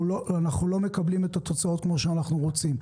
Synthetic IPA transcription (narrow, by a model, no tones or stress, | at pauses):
loanaχnulo̞me̞kablime̞t̪at̪o̞t͡sao̞t̪̚kmo̞ʃeanaχnuʁo̞t͡sim